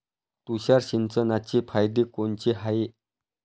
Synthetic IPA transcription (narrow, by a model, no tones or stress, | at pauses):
t̪uɕarɕint͡sənat͡ɕipʰajd̪ikont͡ɕiɦaje